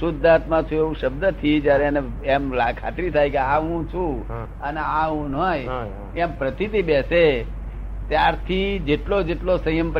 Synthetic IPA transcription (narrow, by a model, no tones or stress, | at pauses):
sʊd̪ʱat̪mãt͡ʃʰũeʋũʃəbd̪ət̪ʰid͡ʒjaɾeane | emlakʰa̰t̪ɾit̪ʰajkeaʋũt͡ʃʰũ | əneaʋũnoj | empɾət̪it̪ibese | t̪jaɾt̪ʰid͡ʒeʈlod͡ʒeʈlosə̃jəmp